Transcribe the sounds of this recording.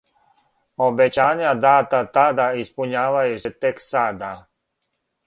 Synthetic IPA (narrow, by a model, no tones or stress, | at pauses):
obet͡ɕaːɲad̪aːt̪at̪ad̪aispuɲaːʋajuset̪eksaːd̪a